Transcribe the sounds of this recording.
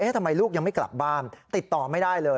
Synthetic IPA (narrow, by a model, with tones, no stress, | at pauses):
ʔeː˦˥t̪ʰa˧mːa˧jluː˥˩k̚ja˧ŋma˥˩jkla̰˨˩p̚baː˥˩nt̪i˨˩t̪ːɔː˨˩ma˥˩jdaː˥˩jlɤː˧